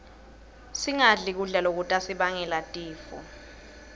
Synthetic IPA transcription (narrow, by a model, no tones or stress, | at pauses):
siŋaɮik̬uɮɛlok̬utʼasiɓaŋɛlatʼiːfɔ̰